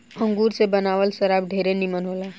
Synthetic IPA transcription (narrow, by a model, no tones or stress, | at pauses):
ə̃ŋɡuːɾsebɐnaːʋəlʃɐɾaːb̚ɖʱeːɾenimənɦoːlaː